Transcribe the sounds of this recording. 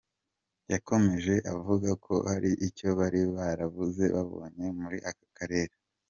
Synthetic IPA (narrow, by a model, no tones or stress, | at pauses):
jakʰo̞me̞ʒe̞ʔavuɡakʰo̞̰haɾiʔico̞βaɾiβaɾavuze̞βaβo̞̰ːɲe̞muɾiʔakakʰaɾe̞ːɾe